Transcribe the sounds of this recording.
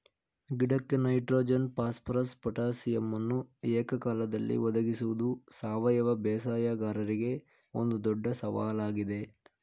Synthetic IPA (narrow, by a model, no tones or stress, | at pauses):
ɡiɽɐkːenɐjʈɾoːd͡ʒɐnpaːspɾɐspɐʈaːsijɐmːɐnːuɛːkɐkaːlɐd̪ɐlːḭʋɔd̪ɐɡisuʋud̪usaːʋɐjɐʋɐbɛːsaːjɐɡaːɾɐɾiɡe̞ | o̰nd̪ud̪ɔɖːɐsɐʋa̰ːlaːɡid̪e̞